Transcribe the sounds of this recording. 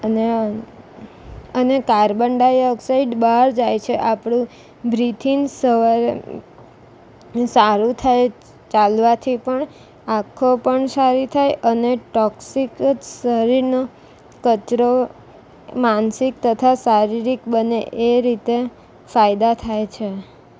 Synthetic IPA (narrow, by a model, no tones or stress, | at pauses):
ne | ənekaɾbəɳɖajɔksaiɖbəɦaɾd͡ʒajt͡ʃʰeʔapɽ̃ũ | bɾit̪ʰinsəʋaɾe | saɾũt̪ʰaj | t͡ʃalʋat̪ʰipəɳ | akʰːopəɳsaɾit̪ʰajʔəneʈɔksikd͡ʒsəɾiɾno | kət͡ʃɾo | mansik̚t̪ət̪ʰasaɾiɾikbəneʔeɾit̪e | fajd̪at̪ʰajt͡ʃʰe